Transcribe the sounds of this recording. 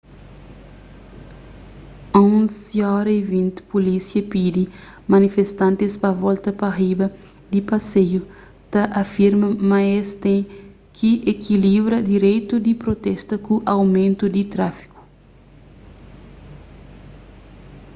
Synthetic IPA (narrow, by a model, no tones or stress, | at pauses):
õsjɔɾɐivĩnt̪polisjɐpid̪i | mɐnifest̪ɐ̃nt̪ɪspɐvɔlt̪ɐpɐribɐ | d̪ipɐseju | t̪ɐʔɐfiɾmɐmɐest̪ẽ | kʰiʔekʰilibɾɐd̪iɾejt̪ud̪ipɾot̪ɛst̪ɐkuʔɐwmẽnt̪ud̪it̪ɾafi̥ku̥